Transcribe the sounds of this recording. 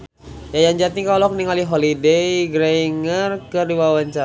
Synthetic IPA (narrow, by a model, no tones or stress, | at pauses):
jajaɲd͡ʒat̪ikawlɔkniŋaliɦolidejɡɾeŋərkəriwawaɲt͡ʃa